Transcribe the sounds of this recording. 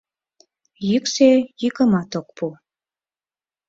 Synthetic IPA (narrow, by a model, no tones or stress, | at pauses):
jyksejikəmɑt̪okpu